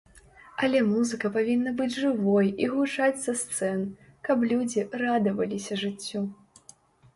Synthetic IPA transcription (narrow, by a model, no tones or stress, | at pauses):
ɐlʲɛmuzɨkɐpavʲinːɐbɨd͡zʲʐɨvɔjiɣut͡ʂat͡sʲzɐst̪sɛnkɐp̬lʲud͡zʲirad̪ɐvɐlʲisʲɐʐɨt͡sʲːɔ